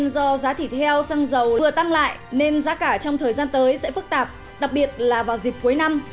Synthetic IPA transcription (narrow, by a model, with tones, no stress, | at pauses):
nzɔ˧zaː˨˦t̪ʰi˧˩t̪ʰɛ˧wsaː˧ŋzə˨˩wɨ˨˩ət̪a˧ŋla̰ː˧˨jʔne˧nzaː˨˦kaː˧˩t͡ɕɔ˧wŋ͡mt̪ʰəː˨˩jzaː˧nt̪əː˨˦jsɛ̰˧˥fɨ˦˥k̚t̪aː˨˩p̚ | ɗa˨˩k̚ɓi˨˩ət̚laː˨˩vaː˨˩wzi˨˩p̚ku˨˦jna˧m